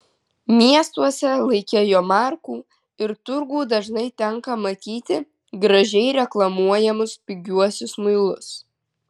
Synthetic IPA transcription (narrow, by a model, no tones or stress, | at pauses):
mʲiɛst̪uɔsʲɛlˠɐɪkʲejoːmɑˑɾkuː | ɪɾt̪ʊɾɡuːd̪ɐʒnɐɪt̪ʲɛŋkɐmɐt̪ʲiːt̪ʲɪ | ɡɾɐʒʲɛɪɾʲɛklˠɐmuɔjɛmʊspʲɪɡʲuɔsʲʊsmɐɪlˠʊs